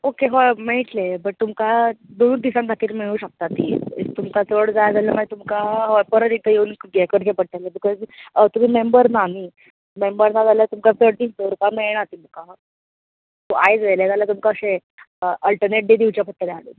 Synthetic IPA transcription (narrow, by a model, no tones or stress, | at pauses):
okeɦɔmeʈlebəʈ̚t̪umkad̪onud̪isãnd̪ʱak̪ʰiːlmeɭ̃uːɕək̚t̪at̪ḭt̪umkat͡səɽd͡zajad͡zaljəmait̪umkaɦɔpəɾət̪it̪ʰəjeuːnɡɛkəɾt͡ɕepəɽ̚alebikɔzt̪um̤iːmembəɾnani | mẽmbəɾnad͡zaljat̪umkat͡səɽd̪ist̪oɾkameɭɳ̃at̪um̤ka | t̪oʔajd͡zʋeled͡zaljat̪umkaəɕe | əʔəlʈəɾneʈ̚ɖed̪iʋt͡ɕjapʰət̪ːəɾeaɽḛ